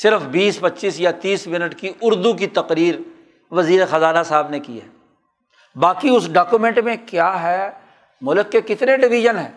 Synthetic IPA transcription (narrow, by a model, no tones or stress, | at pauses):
sɪɾfbiːspɐtːʃiːsjat̪iːsmɪnəʈkiʔʊɾd̪uk̬it̪ɐqɾiːɾ | ʋɐziːɾexɐzaːnasaːbnekḭɦɛ̰ː | baːkiʊsɖaːkumẽɳʈmẽkjaːɦɛː | mʊləkːekɪt̪neɖɪʋɪʒənɦɛ̃ː